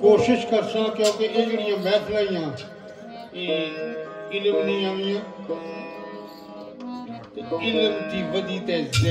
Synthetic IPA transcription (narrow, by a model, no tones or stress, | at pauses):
koːʃɪʃkəɾsãːkjõːkeʔekɽɪjãːbɛːt̪ʰlaːijãː | eː | ɪlmnĩːãːʋɪjãː | ɪləmt̪iːʋəd̪iːt̪ɛː